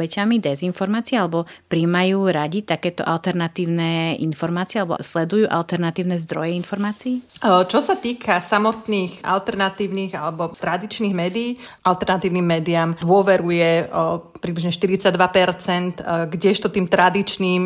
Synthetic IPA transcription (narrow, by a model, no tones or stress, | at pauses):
ɛcamid̪ɛzinfɔɾmaːt͡siɛalɛbɔpɾiːmajuːɾaɟit̪akɛːt̪ɔ̰ʔalt̪ɛɾnat̪iːʊnɛːḭnfɔɾmaːt͡siɛalɛbɔ̰slɛd̪ujuːʔa̰lt̪ɛɾnat̪iːʊnɛːzd̪ɾɔjɛinfɔɾmaːt͡siːt͡ʃɔsat̪iːkʰasamɔt̪niːxa̰lt̪ɛɾnat̪iːʊniːɣalɛbɔt̪ɾad̪it͡ʃniːɣmɛːd̪iːʔalt̪ɛɾnat̪iːʊniːmːɛːd̪iamd̪ʊɔʋɛɾujɛpɾibliʒɲɛʃt̪iɾit͡saɟ̚d̪ʋapɛɾt͡sɛnt̪ɡɟɛʃt̪ɔt̪iːmt̪ɾad̪it͡ʃniːm